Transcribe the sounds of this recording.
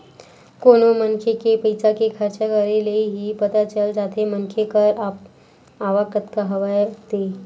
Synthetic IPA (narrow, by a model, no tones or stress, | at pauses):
konomənkʰekepəjt͡sakekʰəɾt͡ɕakəɾeleɦiːpət̪at͡ɕəld͡ʒat̪ʰemənkʰekəɾap̚ | aʋakət̪kaɦəʋajt̪e